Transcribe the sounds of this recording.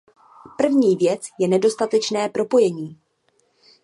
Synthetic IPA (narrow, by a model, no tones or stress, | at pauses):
pr̩vɲiːvjɛt͡sjɛnɛdo̞st̪at̪ɛt͡ʃnɛːpɾo̞po̞jɛɲiː